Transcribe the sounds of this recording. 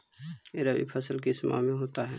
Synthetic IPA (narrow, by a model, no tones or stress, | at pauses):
eːɾabḭpʰəsəlkismʔa̰mẽɦoːt̪aɦɛ̰ː